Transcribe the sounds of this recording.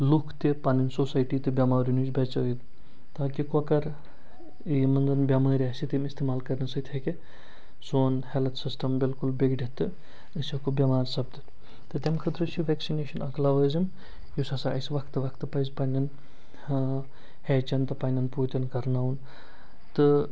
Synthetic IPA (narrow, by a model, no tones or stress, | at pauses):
lukʰt̪epaninsosajʈiːt̪ɨbʲɐmaːɾʲunut͡ʃbʲɐt͡sɐjit̪ | t̪aːkikokɐɾ | jimɐnd̪ɐnbʲɐmaːɾʲiasit̪imist̪emaːlkɐɾnɐsɐt̪ʲheke | soːnhelt̪sisʈɐmbilkulbeɡɖʲet̪ːɨ | əsɐkubʲɐmaːɾsɐb̚d̪ɨt̪ | t̪ɨt̪ʲɐmkʰət̪ɾɨt͡ʃʰiʋeksineːʃɐnɐklaʋɐːzim | jusɐsaɐsʋɐkʰt̪ɨʋɐkʰt̪ːɨpɐjzpɐnʲɐn | het͡ʃɐnt̪ɨpɐnʲɐnpuːt̪ʲɐnkɐɾnaʋun | t̪ɨ